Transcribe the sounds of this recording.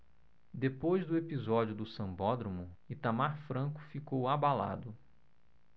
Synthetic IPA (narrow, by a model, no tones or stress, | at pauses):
d̪epojzd̪ʊepizɔd͡ʒiʊd̪ʊsɐ̃bɔd̪ɾõmʊit̪amaɾfɾɐ̃kʊ̥fikowabala̰d̪ʊ